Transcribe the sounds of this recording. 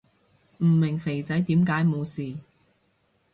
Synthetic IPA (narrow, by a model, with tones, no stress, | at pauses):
m̩˨˩mɪ˨˩ŋfe˨˩jt͡sɐ˨˥jt̪iː˨˥mkaː˨˥jmo˨˧wsiː˨˩